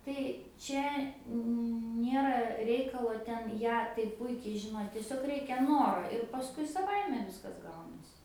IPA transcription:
tɐɪ ˈt͡ʃʲɛ ˈnʲeːrɐ ˈrʲɛɪkɐlˠoː ˈtʲɛn ˈjæː tɐɪ ˈpʊɪkʲɛɪ ʒʲɪˈnoː tʲiɛˈsʲoːk ˈrʲɛɪkʲɛ ˈnoːroː ɪr pɐˈskʊɪ sɐˈʋɐɪmʲɛ ˈʋʲɪskɐs ˈɡɐʊnɐsʲɪ

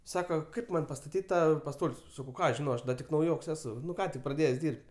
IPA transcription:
ˈsɑːkɐ ˈkɐɪp ˈmɐnʲ pɐstɐˈtʲiːtʲ ˈtɑː pɐˈstoːlʲsʲ ˈsɑːkɐʊ ˈkɑː ɐʃ ˈʒʲɪnɐʊ ˈɐʃ dɐ ˈtʲɪk nɐʊˈjoːks ˈæːsʊ ˈkɑː tʲɪk prɐˈdʲeːjɛs ˈdʲiːrʲpʲtʲ

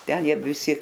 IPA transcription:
ˈtʲɛn ˈjiɛ ʋʲɪˈsʲɪ

